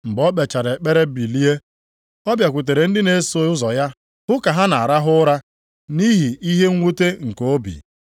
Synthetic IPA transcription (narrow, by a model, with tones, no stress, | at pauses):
m̩˨bɔ˦k͡pe˨t͡ʃa˨ɾe˨k͡pe˦ɾe˦bi˨li˦e˦ | ɔ˦bja˨kʷu˨t̬e˨ɾe˨n̩˦dɪ˦ne˨˦so˨˦ʊ˦zɔ˨ja˦ | hʊ˦ka˨ɦa˦na˨a˨ɾa˦ɦʊ˦ɾa˦ | ni˦ɦi˨i˦ɦe˦ŋ̩ʷ˦u˦te˦ŋ̩˨ko˦bḭ˨